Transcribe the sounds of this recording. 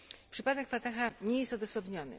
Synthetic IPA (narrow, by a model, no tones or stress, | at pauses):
pʂɘpad̪ɛkfat̪axaɲɛjɛst̪ɔd̪ɔsɔbɲɔnɘ̰